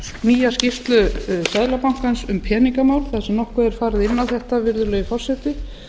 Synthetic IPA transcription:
miːjascɪft̪lʏsaːjlapawŋ̥kansʏmpʰɛːniŋkamaːwl̥θaðasɛmnɔhkʏɛɾ̥faːɾɪðɪnːawθɛht̪avɪɾðʏlœːjʏfɔr̥sɛt̪ɪ

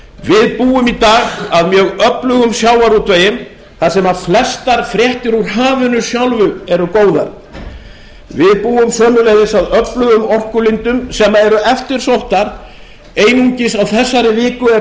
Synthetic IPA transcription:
vɪðpuːʏmit̪aːɣaðmjœːɣœplʏɣʏmsjaːwaɾut̪veːjɪm | θasɛmaðflɛst̪aɾ̥fɾjɛht̪ɪɾuɾ̥ɦaːvʏnʏsjawlvʏɛɾʏkoːwðaɾ | vɪðpuːʏmsœːmʏlejðɪsaðœplʏɣʏmɔr̥kʏlɪnt̪ʏmsɛmːaɛɾʏʔɛft̪ɪɾ̥sowht̪aɾ | eːjniɲcɪsawθɛsːaɾɪvɪːkʏɛ

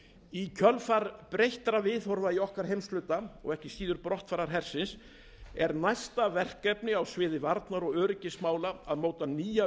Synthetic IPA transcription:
icʰœlfaɾpɾejht̪ɾavɪðhɔɾvaiɔhkaɾ̥hejmst̪lʏːt̪aɔ̰ɣɛhcɪsiːðʏɾpɾɔht̪faɾaɾ̥ɦɛɾ̥sɪns | ɛɾnajst̪avɛr̥kɛpnɪawsvɪːðɪvaɾt̪naɾɔɣœːɾɪcɪsmaːwlaaðmoːwt̪aniːja

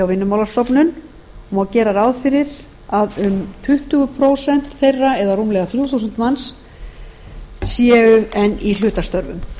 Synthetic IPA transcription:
awvɪnːʏmawlast̪ɔwpnʏn | ɔmawcɛːɾaɾaːwðfɪɾɪɾ | aðʏmt̪ʰʏht̪ʏɣʏpʰɾoːwsɛn̥t̪θejrːaɛðarumlɛɣaθɾjuːθusʏn̥t̪mans | sjɛːʏɛnːil̥ʏːt̪ast̪œɾvʏ̰m

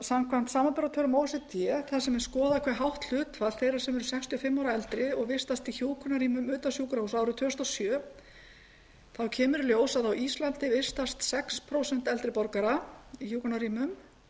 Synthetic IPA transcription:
samkʰvan̥t̪saːmapɛɾat̪ʰœɾʏmowsɪt̪jɛθasɛmɛnskɔːðakʰvɛɾɦawht̪l̥ʏːt̪fḁθejraɾ̥sɛmɛɾʏsɛkst̪ʰʏɔfɪmːawɾaɛlt̪ɾɪɔɣvɪ̥st̪ast̪içjuːwkʰɔnaɾiːmʏmʏːt̪asjuːkɾausawɾʏt̪ʰʏːst̪asjœː | θawcʰɛːmʏɾljoːwsaðawʔist̪lant̪ɪvɪr̥st̪ast̪sɛkspʰɾowsɛn̥t̪ɛlt̪ɾɪpɔɾkaɾaiçjuːwkɔnaɾiːmʏm

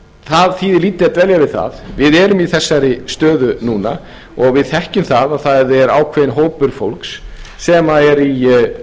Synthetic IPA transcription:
θaðθiːðɪliːt̪ɪat̪vɛljavɪðθa̰ðvɪðɛɾʏmiθɛsːaɾɪst̪œːðʏnuːna | ɔɣvɪðθɛhcʏmθaðaðθaðɛɾa̰ːwkʰvɛːðɪnɦoːwpʏɾ̥fowlksːɛːmaɛɾi

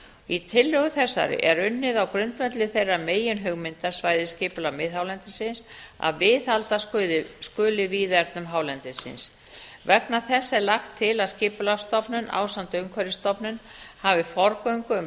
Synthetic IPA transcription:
it̪ʰɪlːœɣʏθɛsːa̰ɾɪ̰ʔɛɾʏnːɪðawkɾʏnt̪vɛt̪lɪθejrameːjʏnɦʏɣmɪnt̪ḁsvaːjðɪscɪːpʏlamɪðɦhawlɛnt̪ɪsɪnsa̰ðvɪːðalt̪asðskʏːlɪviːðɛɾt̪nʏmɦaːwlɛnt̪ɪsɪ̰ns | vɛpnaθɛsːɛlaxt̪ʰːɪlaðscɪːpʏlast̪ɔpnʏnʔa̰ːwsant̪œŋkʰvɛɾɪst̪ɔpnʏnhavɪfɔɾkœŋkʏm

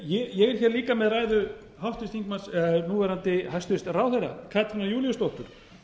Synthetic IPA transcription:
jɛjɛɣɛɾ̥çɛːɾliːkamɛðraːjðʏ | hawht̪ɪst̪iŋkmansɛnuːvɛɾant̪ɪhajst̪ʏst̪raːwθejɾa̰kʰaːt̪ʰɪnajuːlijʏst̪owht̪ʏɾ̥

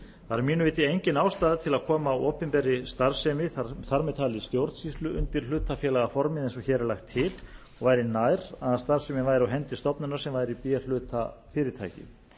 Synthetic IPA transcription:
θaɾɾmiːnʏvɪːt̪ɪejɲcɪnawst̪aːðɪt̪ʰɪlaðkʰɔːmaɔːpɪmpɛɾːɪst̪aɾ̥sɛmɪθaɾmɛðt̪ʰaːlɪst̪jowɾt̪sist̪lʏʔʏ̰nt̪ɪɾ̥l̥ʏːt̪afjɛːlaɣafɔɾmɪðɛns̬ɔçɛːɾɛɾlaxt̪ʰːɪl | ɔɣvaːjɾɪnaːjɾaðast̪aɾ̥sɛmɪnvaːjɾawɦɛnt̪ɪst̪ɔpnʏnaɾ̥sɛmvaːjɾɪipijal̥ʏːt̪ʰafɪːɾɪt̪ʰa̰jcɪ̰

